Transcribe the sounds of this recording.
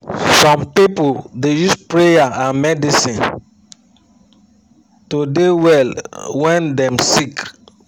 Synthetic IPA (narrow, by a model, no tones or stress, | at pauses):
sɔ̃mpipoldejuspɹejaãmɛdisĩn | todewɛlwɛ̃ndɛ̃msik